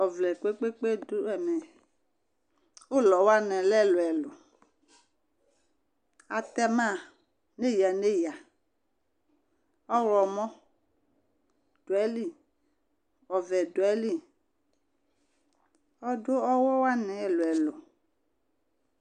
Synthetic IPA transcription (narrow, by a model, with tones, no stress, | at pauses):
ɔ˨vlɛ˨ke˦k͡pe˦k͡pe˦du˦ɛ˨mɛ˨ | o˦lɔ˨wa˦nɛ˨lɛ˦˨lʊ˨ɛ˨lʊ˨ | a˨t̪ɛ˦mã˦˨ | ne˦ja˨ne˦ja˨ | ɔ˦ɾɔ˨mɔ̃˦ | d̥o˨ɛ˦li˦ | ɔ˨vɛ˨do˨ɛ˦li˦ | ɔ˦do˦ɔ˦wɔ˦wa˦nɛ˨lʊ˨ɛ˨lʊ˨